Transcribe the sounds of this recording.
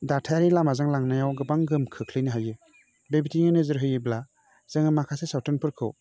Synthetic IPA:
datʰajaɾilamazaŋlaŋnajawɡɯbaŋɡɯmkʰɯkʰlɯjnɯɦajɯ | bebitiŋɯnɯzɯɾɦɯjɯbla | z̥ɯŋɯmakʰasesawtʰɯnpʰɯɾkʰɯ̰w

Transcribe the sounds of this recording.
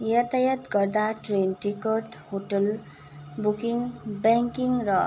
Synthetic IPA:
jʌt̪ajʌt̪ɡʌrd̪aʈrenʈikɔʈhoʈʌl | bukiŋbaŋkiŋrʌ

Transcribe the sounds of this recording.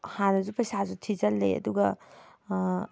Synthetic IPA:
hanɐzupɐjsazutʰizɐlːɐjɐ̰duɡɐ

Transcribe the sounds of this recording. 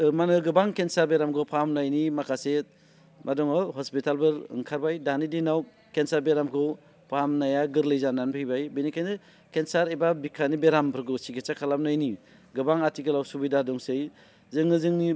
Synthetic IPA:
manɯɡɯbaŋkensaɾbeɾamɡɔpʰamnajnimakʰase | mʔadɔŋɔɦɔspitalbɯɾɯ̰ŋkʰaɾbajdanidinaw | kensaɾbeɾamkʰɯ | pʰamnajaɡɯɾlɯjzananpʰɯjbajbenikʰajnɯ | kensaɾejbabikʰanibeɾampʰɯɾɡɯsiɡet͡ʃakʰalam̚najni | ɡɯbaŋatʰiɡɯlawsubidadɔŋsɯj | zɯŋnɯzɯŋni

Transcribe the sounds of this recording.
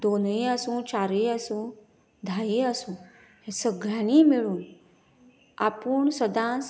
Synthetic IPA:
d̪onĩəsũt͡ɕaɾiəsũ | d̪ʱajiəsũː | hẽsəɡɾañiːmiɭuːn | a̰puːɳsəd̪ãs

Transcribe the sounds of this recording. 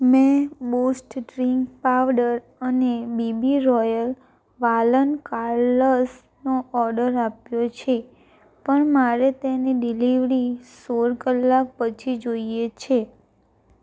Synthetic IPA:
mɛ̃bosʈɖɾiŋkpaʋɖəɾ | ənebibiɾɔjəl | ʋalənkaɾləs | noʔɔɾɖəɾapjot͡ʃʰe | pəɳmaɾet̪eniɖiliʋɾisoɾkəlːak̚pət͡ʃʰid͡ʒoiet͡ʃʰe

